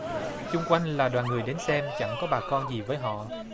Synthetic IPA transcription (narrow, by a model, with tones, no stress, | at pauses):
t͡ɕʊ˧ŋ͡mkwa˧jŋ̟laː˨˩ɗwaː˨˩nŋɨ˨˩əjɗe˨˦nsɛ˧mt͡ɕa˧˥˩ŋkɔ˨˦ɓaː˨˩kɔ˧nzi˨˩vəː˨˦jɦɔ̰˧˨